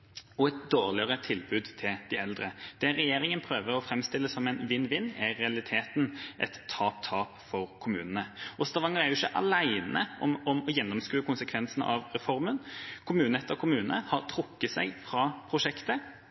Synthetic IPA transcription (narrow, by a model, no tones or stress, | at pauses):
ɔɛt̪̚d̪oːʁlɪəʁət̪ʰɪlbʉːd̪t̪ʰɪld̪ɪɛld̪ɾəd̪̥ɛːɛjeːɾɪŋənpʰɾøːʋəɾɔfɾɛmst̪ɪlːəsɔmɛɪnʋɪnːʋɪnːæɾɛɑlɪt̪ʰeːt̪nʔɛ̰t̪ʰːɑːp̚t̪ʰɑːpfɔɾkʰʊmʉ̰ːnənəʔɔst̪ɑʋɑŋəʁæɾjʊɪçːəʔɑ̰læɪnə̰ʔɔ̰mɔmɔjɛnːɔmskɾʉːəkʰʊnsəkʰʋɛnsənə̰ʔɑʋɾɛfɔɾmənkʰʊmʉːnəɛt̪ːəɾkʰʊmʉːnənəhɑʁt̪ʰɾʊkːəsæɪɡfɾɑːpʰɾʊʂɛkt̪ə